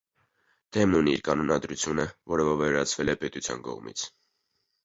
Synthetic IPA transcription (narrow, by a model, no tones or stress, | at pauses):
d̪̥ɛmnuniiɾkɑnɔnɑd̪ɾut͡sʰjunəvɔɾəvɔvɛɾɑt͡sʰvɛlɛpɛt̪ut͡sʰjɑ̰nkɔ̰ʁmḭt͡sʰ